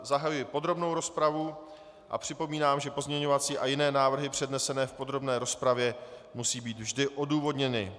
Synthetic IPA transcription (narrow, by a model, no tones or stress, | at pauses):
zaɦajujɪpo̞d̪ɾo̞bno̞wɾo̞spɾavu | ʔa̰pr̝̥ɪpo̞miːnaːmʒɛpo̞zɲɛɲo̞vat͡siːʔajɪnɛːnaːvr̩ɦɪpr̝̥ɛdnɛsɛnɛːfpo̞d̪ɾo̞bnɛːɾo̞spɾavjɛ | musiːbiːt̪vʒdɪʔo̞duːvo̞dɲɛnɪ̰